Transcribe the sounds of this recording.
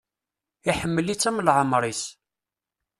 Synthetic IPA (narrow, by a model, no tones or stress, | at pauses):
iħəmːəlit͡sːæməlʕəmɾˤis